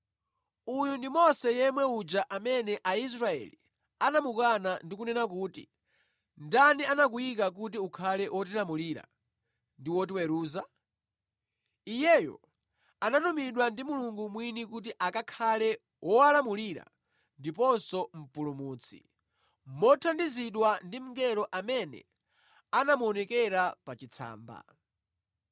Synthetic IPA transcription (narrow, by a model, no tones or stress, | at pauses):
ujundimɔsɛjɛmwɛud͡ʒaʔamɛnɛʔais̬ɾaɛ̰lḭ | anamukanandik̬unɛnak̬uːtḭ | ndanianak̬ujik̬ak̬ut̬iukʰalɛwʔɔtilamuliɾa̰ | ndiwɔt̬iwɛɾuːza | ijɛjɔ̰ | anatumiɗwandimuluŋɡumwinikut̬iʔakakʰalɛ | wʔɔalamuliɾa̰ | ndipɔnsɔm̩pulumuːt͡sʰḭ | mɔtʰandiziɗwandim̩ŋɡɛɾɔʔamɛnɛ̰ | anamuɔnɛkɛɾapat͡ʃit͡sʰa̰ːmba̰